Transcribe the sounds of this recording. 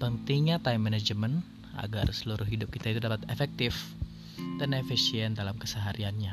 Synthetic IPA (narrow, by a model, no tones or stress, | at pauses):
pənt̪iŋɲat̪ajmːɛnɛd͡ʒəmən | a̰ɡa̰rsəluɾʊhɦidʊp̚kit̪ait̪udapat̪efɛk̚t̪ɪf | t̪ənefisiɛndalamkəsəɦaɾianɲa